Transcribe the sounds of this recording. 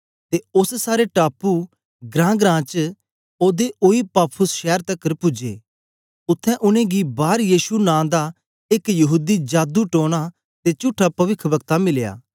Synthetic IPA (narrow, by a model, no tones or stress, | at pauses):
t̪eʊssaːɾeʈaːpu | ɡɾãːɡɾãːt͡ʃ | oːd̪eʔoipaːpʰʊsʃɛːɾt̪ɐkːəɾpʊd͡ʒḛː | ʊt̪ʰːɛ̃ʔʊnẽɡibaːɾjiːʃunãːd̪a | ɪkjɐɦuːd̪id͡ʒaːd̪uʈoːɽ̃a | t̪et͡ʃʊʈʰːapɐʋɪkʰːbɐkt̪amɪlja̰ː